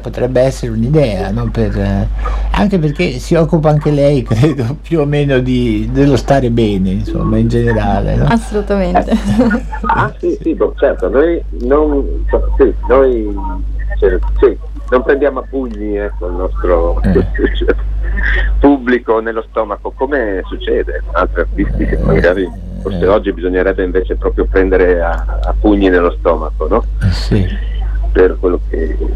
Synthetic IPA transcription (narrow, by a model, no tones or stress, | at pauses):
pot̪ɾɛbːeɛsːeɾeunid̪ɛːanɔper | a̰ŋkeperk̟esiɔkːupaaŋk̟elɛjkɾeːd̪opjuomeːnod̪id̪elːost̪aːɾebɛːneinso̰mːaind͡ʒeneɾaːlḛnɔasːolut̪ament̪e | asisibɔt͡ʃɛrt̪onoj | nonsoasinoj | t͡ʃɛɾsi | nompɾend̪jaːmoapːuɲːiɛkːoilnɔst̪ɾo | t͡ʃɛ | pubːlikonelːost̪ɔːmakokoːmesut͡ʃːɛːd̪eunalt̪ɾiart̪ist̪ikemaɡaːɾi | forseɔd͡ʒːibizoɲːeɾɛbːeiɱveːt͡ʃepɾɔːpɾjopɾɛnd̪eɾeaapːuɲːinelːost̪ɔːmakonɔiperkwelːokʰḛ